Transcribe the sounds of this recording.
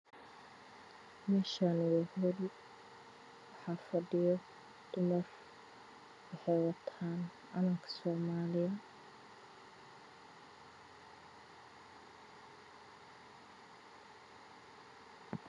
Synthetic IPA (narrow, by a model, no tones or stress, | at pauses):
mɛːʃanwɛhʊl | wħaːfɐɖɪjɔ | d̪̥ʊmɐr | wɑħɛjwɐt̪ʰaːn | ʔɐnɐŋkʰɐ̥sɔːmaːlɪjɐ